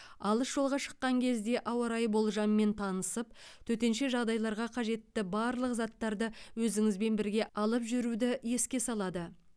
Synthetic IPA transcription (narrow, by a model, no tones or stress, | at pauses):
ɑlˠəsʒ̥o̞lˠʁɑʃə̥qːɑŋkʲʰe̞zd̪e̞ʔɑwɑɾɑjbo̞lˠʒɑmːe̞nt̪ʰɑnəsəp̚t̪ʰɵt̪e̞nʃe̞ʒɑʁd̪ɑjlˠɑɾʁɑqʰɑʒe̞t̪ːɪbɑɾlˠəqzɑt̪ːɑɾd̪əwɵzɪŋɪzbe̞nbɪɾɡʲe̞ɑlˠəpʒʏɾud̪ɪje̞skʲe̞sɑlˠɑd̪ə